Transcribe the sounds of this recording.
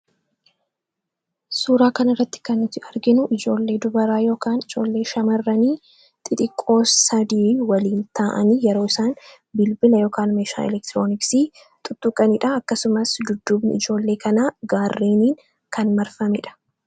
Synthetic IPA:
suːɾaːkɐnɪrːɐt̪ːɪ̥kɐnɪt̪ɪɐɾɡɪnʊʔɪd͡ʒo̞ːlːe̞ːd̪ʊbɐɾaːjo̞ːkaːnɪd͡ʒo̞ːlːe̞ːʃɐmɐrːɐniː | t̪ʼɪt̪ʼɪkʼːo̞ːsːɐd̪iːwɐliːnt̪ʰaːʔɐ̰niːjɛɾo̞ːɪsaːn | bɪlbɪlɐjo̞ːkaːnmeːʃa̰ːɛ̰lɛkt̪ɾo̞ːnɪksiː | t̪ʼʊt̪ːʊkʼːɐnɪᶑɐɐkːɐsʊmɐsd̪ʊd̪ːuːbnɪ̰ɪd͡ʒo̞ːlːe̞ːkʰɐnaːɡaːrːiːniːŋ | kʰɐnmɐɾfɐmɛᶑɐ̥

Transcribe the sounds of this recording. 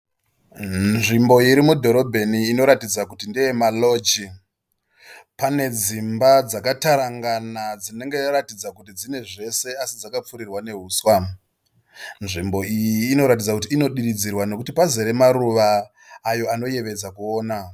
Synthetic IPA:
nʐimbo̞iɾimudʱo̞ɾo̞bʱe̞niːno̞ɾatid͡zakutindijemalo̞d͡ʒi | pane̞d͡zimbad͡zakataɾaŋɡanad͡zine̞ŋɡe̞ratid͡zakutid͡zine̞ʐe̞se̞asid͡zakap͡fuɾirwane̞ɦuːswa | nʐimbo̞ijiːno̞ɾat̬id͡zakutiːno̞ɗiɾid͡zirwano̞kutipazeɾe̞maɾuʋaː | jo̞ano̞je̞ʋe̞d͡zakuo̞ːna

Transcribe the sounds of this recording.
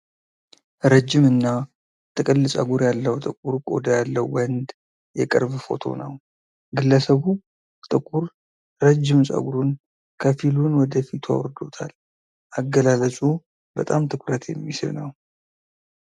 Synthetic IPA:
ɾəd͡ʒːɪmɨnːa | t̪ʼɨkʼɨlːɨsʼa̰ɡuɾjalːəwt̪ʼɨkʼuɾkʼo̞̰d̪əjalːəwwənd̪ | jɛkʼɨ̰ɾbfo̞̰t̪ʰo̞̰nəw | ɡɨlːəsəβu | t̪ʼɨkʼuɾ | ɾəd͡ʒːɪmsʼa̰ɡuɾun | kʰəfilunwɔd̪əfit̪ʰua̰wɾd̪o̞̰t̪ʰa̰l | ʔaɡːəlalət͡ʃʼu | bət̪ʼamt̪ʰɨkʰɾət̪ʰjɛ̰mːisɨɾnəw

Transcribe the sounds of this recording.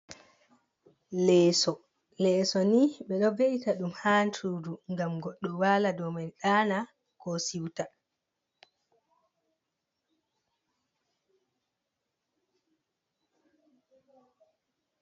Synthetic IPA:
lɛːsɔ | lɛːsɔniɓɛɗɔveʔitaɗumhaːntʰuːduŋɡamɡɔɗːɔwaːladɔmanɗaːna | kɔsiwta

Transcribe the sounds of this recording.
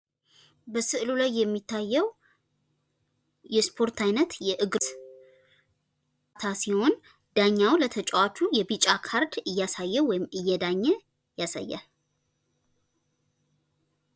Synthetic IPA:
bəsɨʔlulajːɛmːit̪ʰːajːɛw | jɛspʰo̞ɾt̪ʰajnət̪jɛʔɨɡs | t̪ʰasiho̞n | d̪̥aɲːawlət̪ʰət͡ʃʼwat͡ʃʰujɛbit͡ʃʼakʰaɾd̪ɨjːasajːɛwɔjɪmɨjːɛd̪aɲːɛ | jasa̰jːa̰

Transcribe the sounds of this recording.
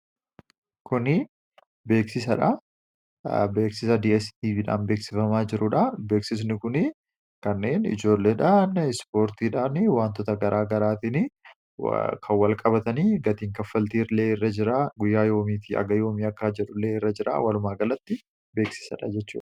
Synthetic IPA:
kʊnɪ | be̞ːksɪs̬ɐᶑɐ | be̞ːksɪsɐd̪iɛst̪iːᶑa̰ːnbe̞ːksɪfɐmaːd͡ʒɪɾʊᶑɐbe̞ːksɪs̬nɪkʊnɪ | kɐnːe̞ːnɪ̰d͡ʒo̞ːlːeːᶑanspo̞ːɾt̪iːᶑaːnɪwaːnt̪ɔt̪ɐɡɐɾʔaːɡɐɾaːt̪ɪnɪ̰ | kʰɐwɐlkʼɐbɐt̪ɐniːɡɐt̪iːŋkɐfːɐlt̪iːɾle̞ːɪrːɐd͡ʒɪɾaːɡʊjːaːjo̞ːmiːt̪ɪɐ̰ɡɐjo̞ːmiːɐkːaːd͡ʒɛᶑʊlːe̞ːɪrːɐd͡ʒɪɾʔa̰ːwɐlʊmaːɡɐlɐt̪ːɪ | be̞ːksɪ̥sɐᶑɐ̰d͡ʒɛt͡ʃːṵːᶑɐ̥

